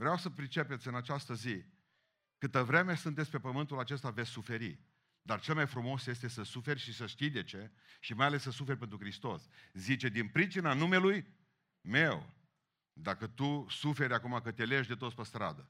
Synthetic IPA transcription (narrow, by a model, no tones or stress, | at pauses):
vɾeawsəpɾit͡ʃe̞pe̞t̪sʲɨnat͡ʃast̪əzi | kɨt̪əvɾe̞me̞sɨnt̪et̪sʲpe̞pəmɨnt̪ulat͡ʃe̞st̪avet̪sʲsufe̞ɾḭ | d̪art͡ʃe̞lmajfɾumo̞sje̞st̪e̞səsufe̞rʲʃisəʃt̪ijd̪e̞t͡ʃe̞ | ʃimajale̞sːəsufe̞rʲpent̪ɾukɾist̪o̞̰szit͡ʃe̞d̪inpɾit͡ʃinanume̞luj | me̞w | d̪akət̪usufe̞ɾʲakumakət̪ʲeleʃd̪e̞t̪ot̪spəst̪ɾa̰d̪ə